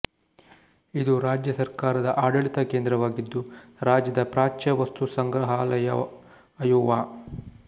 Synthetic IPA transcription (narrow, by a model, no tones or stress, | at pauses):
id̪uɾaːd͡ʒjɐsɐɾkaːɾɐd̪ɐʔaːɽɐɭit̪ɐkeːnd̪ɾɐʋaːɡid̪ːuɾaːd͡ʒjɐd̪ɐpɾaːt͡ʃɐʋɐst̪usɐŋɡɾɐɦaːlɐjɐ | ɐjuːʋaː